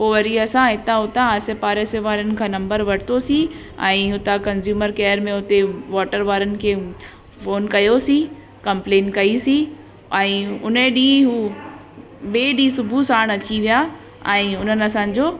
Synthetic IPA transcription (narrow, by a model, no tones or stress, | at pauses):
poːʋɐɾiɐsãɦɪt̪ãʊt̪aɐsepaːɾeseʋaːɾənɪ̆kʰãːnɐ̃mbəɾʋɐɽ̤ɪt̪osĩ | ɛ̰̃ːʊt̪akɐ̃nzjuːməɾkeːəɾmẽʊt̪eʋɔːʈəɾʋaːɾənɪ̆kʰeː | foːnkɐjosĩ | kɐ̃mpleːnkɐisĩ | ɛ̃ːʊn̤ẽɗĩːɦuː | ɓeːɗĩːsʊbʱusaːɽ̃ɐt͡ɕiʋija | ɛ̃ːʊn̤ənɪ̆ɐsãːɲ̆d͡ʑoː